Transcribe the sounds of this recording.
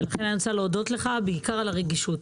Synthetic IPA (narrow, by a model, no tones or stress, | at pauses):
laχe̞nnsaleodo̞t̪le̞χabeikaʁalaʁeɡiʃut